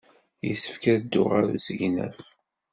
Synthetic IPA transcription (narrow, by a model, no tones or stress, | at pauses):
jəsːə̥fkæd̪ːʊʁaɾusəʝnæ̰f